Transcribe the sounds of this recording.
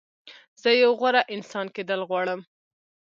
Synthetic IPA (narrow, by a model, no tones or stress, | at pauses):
z̥əjawɣwaɾaʔɪnsɑnked̪əlɣwɑɽəm